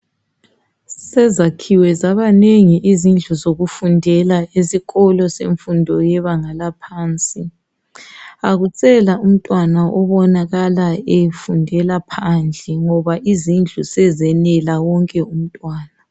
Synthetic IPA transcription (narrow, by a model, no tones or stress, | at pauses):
sɛzakʰiwɛzaβaneŋiʔizind͡ɮʱuzoɣufundʱɛlaesiɣɔlɔsḛɱfundʱɔjɛβaŋalapʰaːnt͡sʼi | aɣut͡sʼɛlaum̩tʼwanaʔɔβɔnaɣalaejfundʱɛlapʰand͡ɮʱɛŋɔβaʔizind͡ɮʱusɛzɛnɛlawɔŋkʼɛum̩tʼwaːna